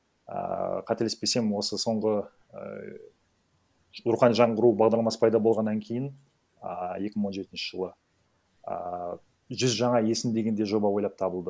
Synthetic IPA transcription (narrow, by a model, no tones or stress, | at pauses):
ə̰qʰɑt̪elespese̞mɪwo̞səso̞ɴʁə | ʊɾqɑnʒɑɴʁəɾubɑʁd̪ɑɾlˠɑmɑsə̥pʰɑjd̪ɑbo̞lˠʁɑnːɑŋkʲʰe̞jɪn | je̞kʲɪməɴwo̞nʒe̞t̪ɪnʃɪʒ̥əlˠə | ə | ʒʏzʒɑɴɑje̞sɪnd̪e̞ɡʲe̞nd̪e̞ʒo̞bɑwo̞jlˠɑp̚t̪ʰɑbəlˠd̪ə